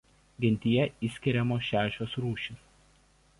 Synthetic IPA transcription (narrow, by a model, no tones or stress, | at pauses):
ɡʲɪnʲt̪ʲɪjɛɪsʲkʲɪɾʲɛmoːʃʲæːʃʲoːsɾuːʃʲɪs